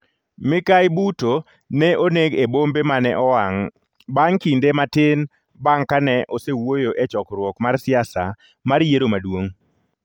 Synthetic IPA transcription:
mɪkajbuto | nɛʔoneɡebombemanɛ̰ʔɔwaŋ | baŋkindematɪn | baŋkanɛʔosewojoʔet͡ʃɔkɾwɔkmarsɪasa̰ | maɾjeɾomadwoŋ

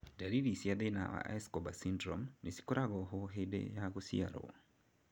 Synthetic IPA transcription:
daɾiɾisiaðena̰wa̰ʔa̰jskɔbasindɾɔmnesi̥koɾaɣɔɦoɦedḛjaɣosḭa̰ɾɔ̰

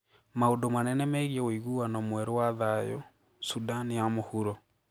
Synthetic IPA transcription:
maodomanɛnɛmɛɣiɛoiɣuanɔmwɛɾowaðajɔ̰ | sudanijamohuɾɔ

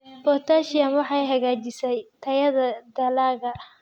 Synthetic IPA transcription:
bɔrt̪ʰaːʃɪjɐmwɑħɑjɦɐɣaːt͡ʃɪsɛjt̪ʰɐjɐðɐd̪ɐlaːɣɐ

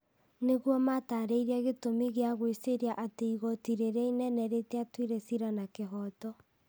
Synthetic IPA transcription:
neɣwɔmataɾeiɾeaɣetomeɣeaɣweseɾeaʔateiɣɔtiɾeɾainɛnɛɾetɛatwiɾɛsiɾanakeɦɔtɔ

